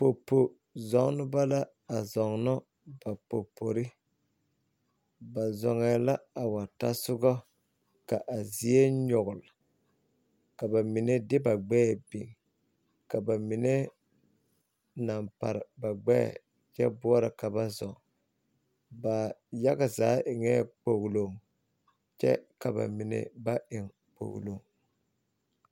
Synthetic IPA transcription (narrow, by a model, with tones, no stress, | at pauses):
po˨po˨ | zɔ˨˦ŋ˦nʊ˦ba˦la˦ | a˨zɔ˨ŋnɔ˦ | ba˨po˨pʰo˨ɾɪ˦ | ba˨zɔ˨ŋɛ˨la˦a˨wa˨ta˦sʊ˦ɡɔ˦ | ka˨ʔa˨zi˨e˦ɲɔ˨ɣʊ˨l | ka˨ba˨mi˨ne˦dɪ˦ba˨ɡ͡bɛː˦˨bi˨ŋ | ka˨ba˨mi˨ne˦ | na˨mpa̰˨ɾɪ˨ba˨ɡ͡bɛ̰˦˨ | t͡ʃɛ̰˦bʊ˦ɔ˦ɾa˨ka˨ba˦zɔ˨ | ba˨ja˦ɡa˨zaː˨˦ʔɪ˨ŋɛ˦˨k͡po˨ɣlo˨ŋ | t͡ʃɛ̰˦ka˨ba̰˨mɪ˨nḛ˨ba˦ʔɪ˨ŋ | k͡po̰˨ɣ̰lo̰˨ŋ